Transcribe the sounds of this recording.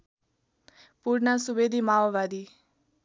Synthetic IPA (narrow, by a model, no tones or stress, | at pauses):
puɽnasubed̪imaːʋʋad̪i